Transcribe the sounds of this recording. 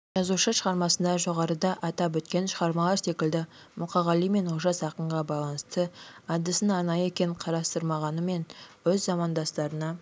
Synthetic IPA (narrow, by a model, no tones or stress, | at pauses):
ʒ̥ɑzuʃəʃəʁɑɾmɑsənd̪ɑʒo̞ʁɑɾəd̪ɑʔɑt̪ɑp̬wɵt̪kʲe̞nʃəʁɑɾmɑlˠɑɾse̞kʲɪld̪ɪ | mʊqɑʁɑlˠijme̞nwoʒɑsɑqəɴʁɑbɑjlˠɑnəst̪əɑd̪ːɪsɪnɑɾnɑjəekʲe̞ŋqʰɑɾɑst̪əɾmɑʁɑnəme̞nwɵzːɑmɑnd̪ɑst̪ɑɾənɑ